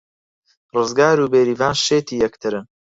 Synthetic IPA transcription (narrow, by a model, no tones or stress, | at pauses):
rɨzɡaːɾuːbeːɾiːvaːnʃeːt̪ʰiːjɐkt̪ʰɨɾɨn